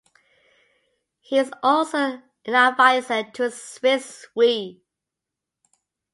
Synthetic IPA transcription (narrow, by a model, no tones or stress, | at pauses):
hizɔlˠsoʊ | ɪ̃nəvaɪsətʰəswɪswi